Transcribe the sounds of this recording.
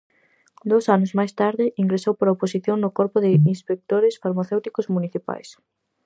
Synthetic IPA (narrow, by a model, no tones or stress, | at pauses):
d̪osanʊzmajst̪aɾðɪiŋɡɾesowpoɾaoposiθjoŋnʊkɔɾpʊðɪinspek̚t̪oɾɪsfaɾmaθewt̪ikʊzmuniθipa̰js